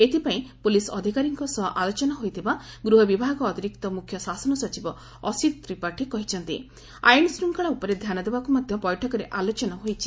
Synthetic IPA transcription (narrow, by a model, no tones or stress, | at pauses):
et̪ipaĩpulisɔd̪ʱikaɾiŋkɔsɔɦʔalot͡ʃɔnɔɦojt̪ʰibaɡɾuɦɔbibʱaɡɔːt̪iɾikt̪ɔmukʰjɔsasɔnɔsɔt͡ʃibɔ | ɔsit̪ɾipaʈʰikɔɦit͡ʃʰɔnt̪ḭ | a̰jnsɾuŋkɔɭaupɔɾed̪ʱjanɔd̪ebakumɔd̪ʱjɔbɔjʈʰɔkɔɾeʔalot͡ʃɔnɔɦojt͡ʃʰi̥